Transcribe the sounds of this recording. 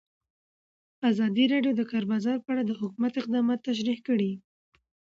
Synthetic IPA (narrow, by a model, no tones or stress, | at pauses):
azɑd̪iɾɑɖjod̪əkaɾbazɑɾpəaɽad̪əhʊkumat̪ɪq̚d̪ɑmɑt̪ːaʃ̬ɾihkəɽi